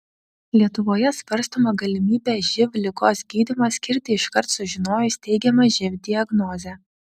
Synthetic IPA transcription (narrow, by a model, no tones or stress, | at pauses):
lʲiɛt̪ʊʋoːjɛsʋɐɾst̪oːmɐɡɐlʲɪmʲiːbʲeːʒʲɪʋʲlʲɪkoːsɡʲiːd̪ʲɪmɐsʲkʲɪɾʲt̪ʲɪɪʃkɐɾt̪sʊʒʲɪnoːjʊsʲt̪ʲɛɪɡʲɛmɐʒʲɪʋʲd̪ʲɪɐɡnoːzʲɛː